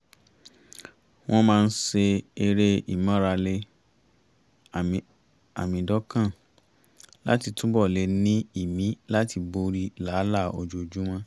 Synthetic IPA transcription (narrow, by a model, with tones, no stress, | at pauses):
w̃ɔ̃˦mãː˦˧n̩˦se˧e˧ɾe˧ḭ˨mã˦ɾa˧le˧ | a̰˨mĩ˨˧dɔ˦kã˦˨ | la̰˦ti˧tũ˦bɔ˦˨le˨˧nĩ˦i˦˨mĩ˨˦la˦ti˧bo˧ɾi˧la˨˦la˦˨o̰˧d͡ʒo˧˨d͡ʒu˦w̃ɔ̃˧